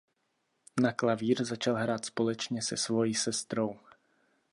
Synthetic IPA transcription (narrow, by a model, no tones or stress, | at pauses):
naklaviːɾzat͡ʃalɦɾaːt̪spo̞lɛt͡ʃɲɛsɛsvo̞jiːsɛst̪ɾow